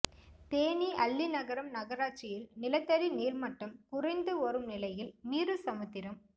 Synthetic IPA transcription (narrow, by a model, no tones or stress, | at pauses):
t̪eːniʔɐlːinɐɣɐɾɐmnɐɣɐɾaːt͡ʃɪjɪlnɪlɐt̪ːɐɾiniːrmɐʈːɐmkʊrɐɪnd̪ɯɔɾɯmnɪlɐjɪlmiːrɯsɐmɯt̪ːɪɾɐm